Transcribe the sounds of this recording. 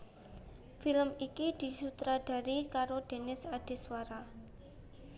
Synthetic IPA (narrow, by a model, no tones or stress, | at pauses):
filəmikid̪̥i̤sut̪ɾad̪̥a̤ɾikaɾod̪̥e̤nɪsad̪̥e̤swaɾa